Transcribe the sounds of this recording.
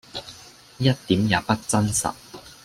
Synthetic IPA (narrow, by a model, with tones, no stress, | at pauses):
jɐ˥t̚t̪iː˨˥mjaː˨˧pɐ˥t̚t͡sɐ˥nsɐ̰˨t̚